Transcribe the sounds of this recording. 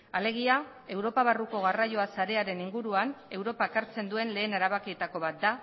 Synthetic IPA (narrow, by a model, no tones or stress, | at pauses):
ale̞ɣia | e̞wɾo̞paβaruko̞ɣ̞arajo̞asaɾe̞aɾe̞niŋɡuɾuane̞wɾo̞paekaɾt͡se̞nd̪ue̞nle̞ːneɾaβakiet̪ako̞βat̪̚d̪a